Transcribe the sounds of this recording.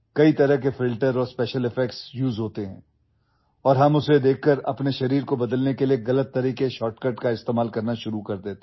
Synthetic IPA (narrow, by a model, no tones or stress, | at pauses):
kɐit̪ɐɾəɦkefɪlʈəɾɔːɾspɛːʃəlɪfɛk̚ʈsjuːzɦoːt̪eɦɛ̃ː | ɔːɾɦɐmʊsed̪eːkʰːəɾɐ̰pneʃɐɾiːɾkobɐd̪əlnekelieɣɐlət̪ːɐɾiːkeʃɔːʈkɐɾʈkaɪst̪eːmaːlkɐɾnaʃʊɾukɐɾd̪eːt̪e